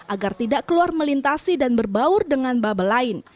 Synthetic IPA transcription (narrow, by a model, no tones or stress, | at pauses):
ʔaɡart̪idaʔkəluarməlint̪asidanbərbaʊrdəŋanbabalaɪn